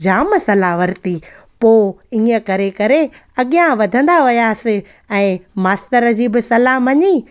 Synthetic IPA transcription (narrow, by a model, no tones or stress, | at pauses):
d͡ʑaːməsɐlaʋɐɾt̪i | poːĩːə̆kɐɾekɐɾe | ɐɠijãʋɐd̪ʱə̃n̆d̪aʋɪjaːsɪ̆ | ɛ̃ːmaːst̪əɾə̆d͡ʑiːbɪsɐlamɐɲiː